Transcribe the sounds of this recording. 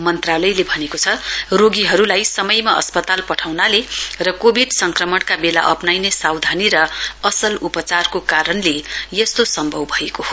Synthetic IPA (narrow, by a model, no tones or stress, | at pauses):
mʌnt̪ralʌjlebʱʌnekot͡sʰʌroɡiɦʌɾulajsʌmʌjmaʔʌ̰spʌt̪alpʌʈʰawnalerʌkobʱiɖsʌŋkrʌmʌɽkabela̰ʔʌpnajnesawd̪ʱaniɾʌʌsʌlupʌt͡sarkokaɾʌnlejʌst̪osʌmbʱʌwbʱʌekoɦo